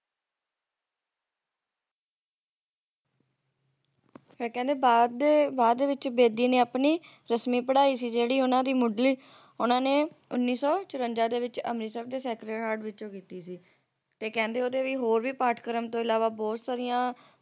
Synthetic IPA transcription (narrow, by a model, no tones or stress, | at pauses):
feɾkɛ̃ːnd̪eː | baːd̪ːeːʋɪt͡ʃbeːd̪iːneːapniː | ɾəsmiːpəɽaːiːsiːd͡ʒeːɽiːʊnãːd̪iːmʊɖliː | ʊnãːneːʊnːiːsɔːt͡ʃʊɾəɲd͡ʒaːd̪eːʋɪt͡ʃə̰mɾiːsɛːbd̪eːsɛːkɾeːʈaːɖʋɪt͡ʃõːkiːt̪iːsiː | t̪eːkɛ̃ːnd̪eːoːd̪eːʋiːɦoːɾʋiːpaːʈʰkəɾəmt̪õːɪlaːʋaːbɔːt̪saːɾijãː